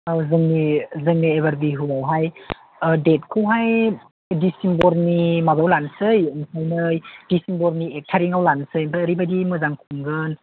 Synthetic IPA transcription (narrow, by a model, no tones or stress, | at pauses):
azɯŋnizɯŋnieβaɾbiɦuawɦaj | det̚kʰɯwɦaj | disimbɔɾnimabawlansɯjɯnsʰajnɯjdisimbɔɾniek̚tʰaɾiŋawlansɯjbaɾibadimɯzaŋkʰumɡɯn